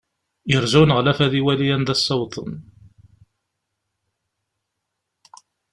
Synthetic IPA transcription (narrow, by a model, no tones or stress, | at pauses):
jəɾzæwnəʁlæfæðiwælijænd̪æsːɑwt̪ˤə̰n